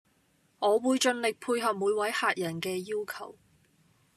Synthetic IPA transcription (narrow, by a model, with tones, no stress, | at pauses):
ŋɔː˨˧wuː˨˧jt͡ʃɵ˧nlɪ˨k̚pʰuː˧jɦɐ˨p̚muː˨˧jwɐ˨˥jhaː˨˧t̚jɐ˨˩nkɛː˧jiː˥wkʰɐ˨˩w